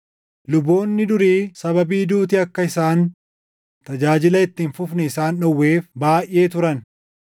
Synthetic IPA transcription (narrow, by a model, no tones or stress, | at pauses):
lʊbːo̞ːnːɪd̪ʊɾiːsɐβɐbiːd̪uːt̪̬ɪɐkːɐɪsaːn | t̪ɐd͡ʒaːd͡ʒɪlɐɪt̪ːiːnfʊfnɛɪsaːnᶑɔwːe̞ːfbaːjʔe̞ːt̪ʊɾɐn